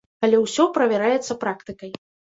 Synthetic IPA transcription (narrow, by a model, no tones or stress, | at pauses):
kɐlʲɛwsʲɔpɾɐvʲɛɾajɛt̪sːɐpɾakt̪ɨkɐj